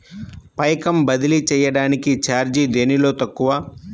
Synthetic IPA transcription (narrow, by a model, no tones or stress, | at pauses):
pɐjkɐmbɐd̪ilit͡ʃɛːjɐɽaːnikit͡ʃaːɾd͡ʒid̪eːnilo̞ːt̪ɐkːuʋɐː